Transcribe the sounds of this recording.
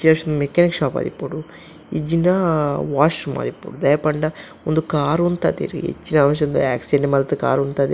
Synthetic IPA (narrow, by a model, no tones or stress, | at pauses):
t͡ʃːinɐːʂondumekːaːnikʂaːpa̰ːd̪ḭpːuɽu | id͡ʒinɐʋaːʂuma̰ːd̪ipːṵɽud̪ɐjɐpɐɳɖɐ | ond̪ukaːɾunt̪a̰ːd̪ḭɾḭḛt͡ʃːinɐaːmʃ̬ɐond̪ua̰ːksieɳɖemɐlt̪ɐka̰ːɾunt̪aːd̪e